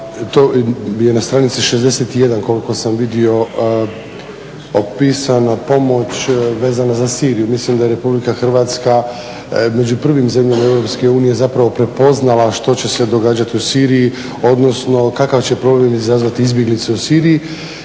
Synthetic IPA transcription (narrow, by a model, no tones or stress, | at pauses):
t̪oje̞nast̪ɾanit̪siʃezd̪e̞set̪ije̞d̪anko̞liko̞samʋid̪io̞ | opiːsanapo̞mo̞t͡ɕʋe̞ːzanazasiːɾijumislimd̪aje̞ɾe̞publikaxr̩ʋaːt̪ska | me̞d͡ʑupr̩ʋimze̞mʎamaevɾo̞pske̞uːnije̞zapɾaʋo̞pɾe̞po̞znalˠaʃt̪o̞t͡ɕe̞se̞d̪o̞ɡaːd͡ʑat̪iusiːɾiji | o̞d̪no̞sno̞kakaʋt͡ɕe̞pɾo̞blemizazʋat̪iizbjeɡlit̪seusiːɾiji